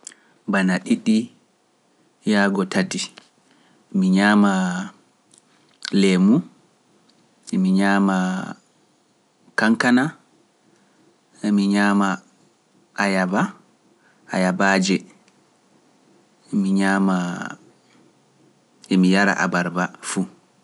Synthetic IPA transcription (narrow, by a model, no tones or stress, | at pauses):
banaɗiɗːi | jaːɡɔtati | miɲama | lemu | ɛmiɲaːma | kaŋkana | emiɲaːma | ʔːjaba | ajabaːd͡ʒɛ | miɲaːma | emijaɾa̰ʔa̰baɾbafu